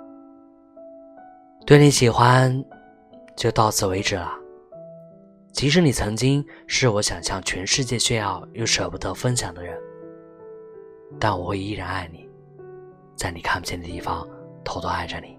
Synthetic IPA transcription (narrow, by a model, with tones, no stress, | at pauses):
t̪we˥˩ɪni˧˥ɕi˨˩xwa˥n | t͡ɕjo˥˧ʊt̪ɑ˥˧ʊt͡sʰɹ̩˥˩we˧˥ɪʈ͡ʂɻ̩˨˩lɐ˩ | t͡ɕʰi˧˥ʂ̬ɻ̩˧˥ni˨˩t͡sʰɤ˧˥ŋt͡ɕi˥ŋʂɻ̩˥˩wɔ˧˥ɕjɑ˨˩ŋɕjɑ˥˩ŋt͡ɕʰɥɛ˧˥nʂɻ̩˥˧t͡ɕjɛ˥˧ɕɥɛ˥˧njɑ˥˧ʊjo˧˩ʊʂɤ˨˩pu˧˥d̪ə˧˥fə˥ŋɕjɑ˨˩ŋd̪ə˦ɻə˧˥n | t̪a˥˩nwɔ˨˩xwe˥˧ɪi˥ɻa˧˥na˥˩ɪni˨˩˦ | t͡sa˥˩ɪni˨˩kʰa˥˩mpu˨˩jɛ˥˩nd̪ə˨t̪i˥˩fɑ˥ŋt̪ʰo˧˥ʊt̪o˧˥a˥˩ɪʈ͡ʂə˨˩ni˨˩˦